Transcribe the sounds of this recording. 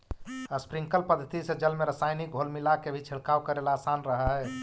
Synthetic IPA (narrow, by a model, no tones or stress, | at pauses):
əspɾiŋkəlpəd̪ʱːət̪isẽd͡ʒəlmeɾəsajnik̚ɡʱolmilakebʱit͡ʃʰiɽkawkəɾelaːsanɾəɦəɦ